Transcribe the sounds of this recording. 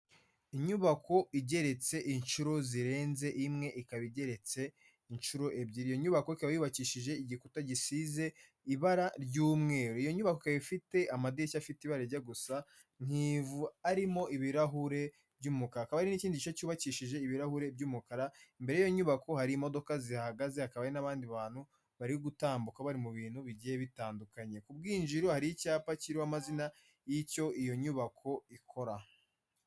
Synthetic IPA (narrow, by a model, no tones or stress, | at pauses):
iɲuβakʰo̞iɟe̞ɾe̞t͡se̞ʔint͡ʃuɾo̞ziɾe̞ːnze̞ʔimŋe̞ʔikaβiɟe̞ɾe̞t͡se̞ | int͡ʃuɾo̞ʔe̞bɟiɾijo̞ɲuβakoikaβajuːβaciʃiʒe̞iɟikutaɟisize̞ | iβaɾaɾɟuːmŋe̞ːɾoijo̞ɲuβakoikaβifite̞amadiɾicafitiβaɾeɾɟaɡusa | ŋ̥hiːvuaɾimo̞ʔiβiɾaɦuɾe̞ | bɟuːmukaɾaakaβaɾiniciːndicit͡ʃocuːβaciʃiʒe̞iβiɾahuɾe̞b̚ɟuːmukaɾaimbe̞ɾjajo̞ɲuβako̞haɾiːmo̞do̞kaziahaɡaze̞hakaβaɾinaβaːndiβaːn̥hu | βaɾiɡutaːmbukaβaɾimuβiːn̥huβiɟijeβitaːndukaɲe̞kubɡiːnd͡ʒiɾohaɾijicaːpaciɾiwamazina | jico̞ijo̞ɲuβakʰo̞ikʰo̞ɾa